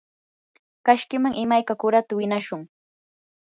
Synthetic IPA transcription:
kaʃkɪmaŋʔɪmajkakʊɾat̪awɪnaʃʊŋ

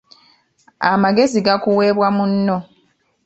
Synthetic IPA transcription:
a̰maɡe̞ziɡakuwe̞ːβwamunːo̞

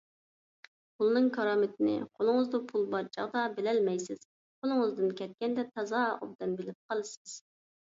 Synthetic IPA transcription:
pʰulˠnɨŋkʰɑɾɑːmɪt̪ʰɪnɪ̰qʰolˠɨŋəzd̪upʰulˠbɑɾt͡ʃʰɑ̰ʁd̪ɑbɪlɛlmɛjsɪz̥ | qʰolˠɨŋɨzd̪ɨnkʲɛt̪̚kʲɛnd̪ɛt̪ʰɑzɑːo̰bd̪ɛnbɪlɪp̚qʰɑlˠɨsɨz̥

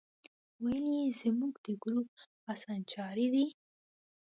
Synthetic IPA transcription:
wajəlizəmuɡd̪əɡɾup̚ | asɑnt͡ʃɑɾid̪i

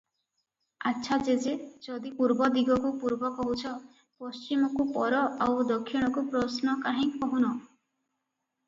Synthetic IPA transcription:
atːʃʰad͡ʒed͡ʒed͡ʒɔd̪ipuɾbɔd̪iɡʱɔkupuɾbɔkɔɦut͡ʃʰɔ | pɔst͡ʃimɔkupɔɾɔawd̪ɔkʰːiɽ̃ɔkupɾɔsnɔkaɦĩkɔɦunɔ

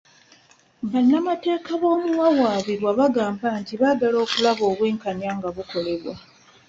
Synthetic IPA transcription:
βanːamate̞ːkaβo̞ːmuwawaːβiɾwaβaɡaːmbantiβaɡalo̞ːkulaβo̞ːβweːŋkaɲjaːŋɡaβuko̞le̞βwa̰

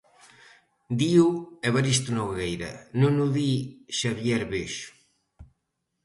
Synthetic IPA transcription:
d̪iuɛβaɾist̪unoɣɣejɾɐ̰nũnuðiʃaβjɛɾβeʃʊ̥

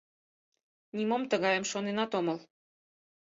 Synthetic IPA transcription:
nʲimomt̪ə̆ɣɑjə̆mʃonenɑt̪omɤ̆l

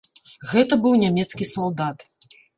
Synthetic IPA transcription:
ɣɛt̪ɐbɨwnʲamʲɛt̪skʲisalˠd̪at̪

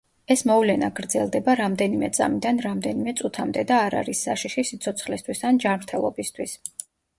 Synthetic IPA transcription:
ɛsmɔvlɛnaɡɾd̪zɛlˠd̪ɛbaɾamd̪ɛnimɛt̪sʼa̰mid̪anɾamd̪ɛnimɛt̪sʼut̪ʰamd̪ɛd̪aːɾa̰ɾisːaʃiʃisit̪sʰɔt̪sʰχlist̪ʰwisand͡ʒanmɾt̪ʰɛlˠɔ̰bist̪ʰwis

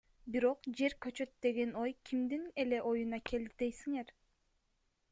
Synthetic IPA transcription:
biɾo̞qd͡ʒe̞ɾkø̞t͡ʃø̞t̪̚d̪e̞ɡe̞no̞jkʲʰimd̪ine̞le̞ʔo̞junɑke̞ld̪id̪e̞jsiŋe̞ɾ

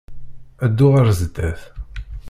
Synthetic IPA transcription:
æd̪ːʊʁəɾzəd̪ːæθ

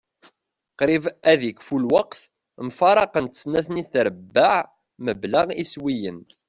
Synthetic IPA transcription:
qɾivæðikfulwɑqθ | mfɑɾˤɑqənt̪ə̥snæθniθɾəbːaʕ | məblaʁiswijən

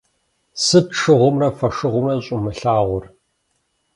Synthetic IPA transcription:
sɨtʈ͡ʂɨʁʷʊmrɐfɐʂɨʁʷʊmrɐɕʼʊmɨɬaːʁʷʊr

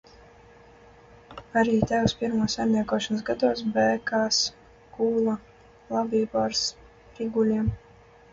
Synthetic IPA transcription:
aɾiːt̪ʲɛwspʲiɾmuːsajmnʲiɛkuɔʃansɡad̪uɔs̬bɛːkaːs | kuːlˠa | lˠabʲiːbɔɾs | ɾiɡulʲiɛm

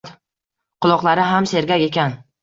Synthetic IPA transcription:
t̪ | qʰʊlˠɒqlˠaɾɪɦamse̞ɾɡʲakʲe̞kʲan

